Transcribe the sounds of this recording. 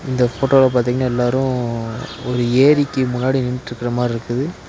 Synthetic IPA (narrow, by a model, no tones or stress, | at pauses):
ɪnd̪ɐfoːʈoːɪlɐp̬aːɾt̪iŋɡɐnaːɛlːaːɾʊ̃ | ɔɾɯeːɾɪkːɯmʊnːaːɽinɪnʈɪɾɯkːɪɾɐmaːɪɾɯkːɯðɯ